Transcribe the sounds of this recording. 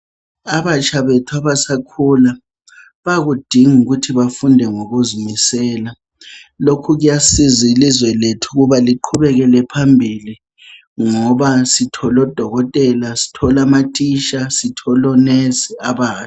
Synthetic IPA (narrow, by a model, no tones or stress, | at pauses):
aβat͡ʃʰaβetʰuaβasakʰula | βaɣud̥ʱiŋuɣutʰiβafundʱɛŋoɣuzumisɛːla | lokʰuɣujasizilizwɛletʰuɣuβaliǃʰuβɛɣɛlɛpʰambʱili | ŋɔβasitʰɔlɔd̥ʱɔɣɔtʼɛlasi̥tʰɔlamatʼiʃasitʰɔlɔnɛsiaβaːtʰu̥